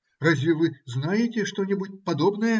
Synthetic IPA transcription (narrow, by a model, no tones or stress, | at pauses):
razʲivɨznajetʲɛʂt̪ɔnʲɛbut͡sʲpad̪ɔbnɐjɐ